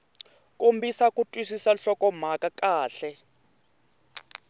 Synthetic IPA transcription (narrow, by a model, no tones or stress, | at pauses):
kʼombʱisakʼutʼwisisaɬɔkʼɔm̤akakʼaːɬɛ